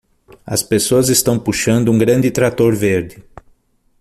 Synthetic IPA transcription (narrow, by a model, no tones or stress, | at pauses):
ɐ̰spesoɐzɪst̪ɐ̃w̃puʃɐ̃nd̪ʊũŋɡɾɐ̃nd̪ɪt̪ɾat̪oɾveɾd̪ɪ